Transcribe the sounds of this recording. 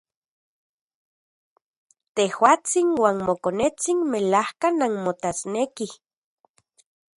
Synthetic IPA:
t̪ehwaːt͡sinwaːnmokonet͡sinmelahkananmot̪asneki

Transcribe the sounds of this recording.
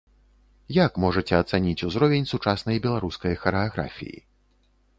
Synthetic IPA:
jakmɔʐɐt͡sʲɛɐt̪sanʲit͡sʲuzɾɔvʲenʲsut͡ʂasnɐjbʲɛlˠaɾuskɐjxɐɾɛaɣɾa̰fʲḭjḭ

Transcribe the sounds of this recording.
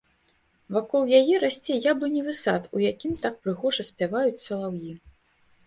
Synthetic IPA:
vakɔlˠjajɛɾasʲt͡sʲɛjablˠɨnʲɛvɨsat̪ujakʲimt̪ak̚pɾɨɣɔʐɐsʲpʲavajut͡sʲsɐlˠawji

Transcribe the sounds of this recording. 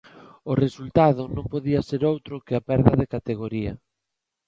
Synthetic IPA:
ʊresult̪aðʊnõmpoðiɐseɾowt̪ɾʊkɪapɛɾðɐðekat̪eɣ̞oɾiɐ̰

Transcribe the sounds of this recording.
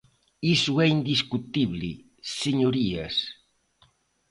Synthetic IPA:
isuɛind̪iskut̪iβlḭ | seɲoɾiɐ̰s

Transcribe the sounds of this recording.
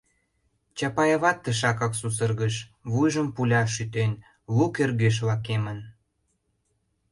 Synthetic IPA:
t͡ɕɑpɑjɑβɑt̪ːəʃ̬ɑkɑksus̬ərɣəʃβujʒəmpulʲɑʃyt̪en | lukerɣeʃ̬βɑkemən

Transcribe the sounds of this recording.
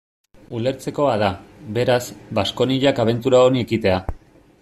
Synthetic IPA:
ule̞ɾt͡se̞ko̞að̞aβe̞ɾazbasko̞niʎakaβ̞e̞nt̪uɾaonie̞kit̪e̞a

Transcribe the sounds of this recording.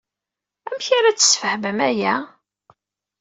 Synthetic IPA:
æmçaɾæt͡sːə̥sfəhvəmæjæ

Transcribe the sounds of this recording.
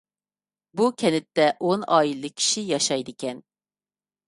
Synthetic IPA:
bukʲʰɛnɪt̪ːɛʔonɑilˠɨkʲʰi̥ʃijɑʃɑjd̪ɨkʲɛn

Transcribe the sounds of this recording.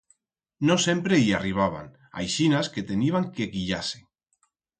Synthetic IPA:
nõsempɾeiariβ̞aβ̞a̰ŋ | a̰jʃinasket̪eniβ̞aŋkeɣiʎase̥

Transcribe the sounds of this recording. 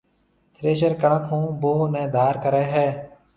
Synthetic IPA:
t̪ɾeːʃ̬əɾkəɳəkʰɦũːboːnɛ̃ːd̪ʱaːɾkəɾɛːɦɛː

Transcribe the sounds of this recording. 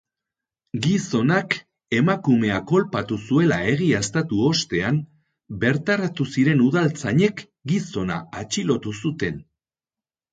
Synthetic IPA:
ɡiso̞nak | e̞makume̞ako̞lpat̪usue̞lae̞ɣiest̪at̪uo̞st̪e̞am | be̞ɾt̪aɾat̪usiɾe̞nuðalt͡saɲe̞k | ɡiso̞na̰ːt͡ʃilo̞t̪usut̪e̞n

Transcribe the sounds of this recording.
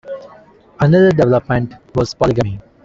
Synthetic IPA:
ənʌd̪əɾɖɛʋɛləpmɛ̃ɳʈʋɔzpɔlɪɡə̃mi

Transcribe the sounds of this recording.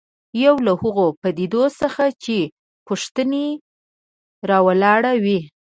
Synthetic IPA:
jawlahʊɣopad̪id̪osəxat͡ʃe | poʂt̪əne | ɾɑwalɑɽawi

